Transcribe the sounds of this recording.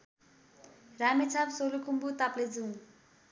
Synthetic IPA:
ramit͡sʰapsolukumbut̪apled͡zuw

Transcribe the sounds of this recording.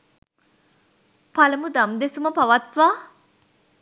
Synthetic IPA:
palɐmud̪amd̪esuməpaʋat̪ʋaː

